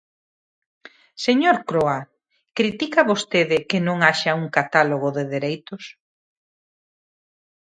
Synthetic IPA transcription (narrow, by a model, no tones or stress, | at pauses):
seɲoɾkɾoa | kɾit̪ikɐβost̪eðɪkɪnõŋaʃɐuŋkat̪aloɣ̞oðeðeɾejt̪ʊs